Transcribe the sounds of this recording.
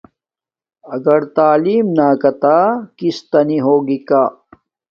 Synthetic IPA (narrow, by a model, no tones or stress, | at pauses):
ɐɡɐɾt̪aːliːmnaːkɐt̪aːkist̪ɐniɦoːɡikaː